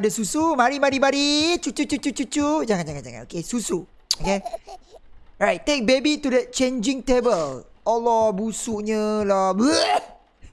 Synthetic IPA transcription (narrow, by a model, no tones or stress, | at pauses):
dəsusumaɾimaɾimaɾit͡ʃut͡ʃut͡ʃut͡ʃut͡ʃut͡ʃud͡ʒaŋãnd͡ʒaŋãnd͡ʒaŋa̰nʔo̰kesusu | oke | ɹajt̚tːek̚bebit̪udɛt̚t͡ʃẽnd͡ʒĩŋtebəlɔlɔbusuʔɲəlabu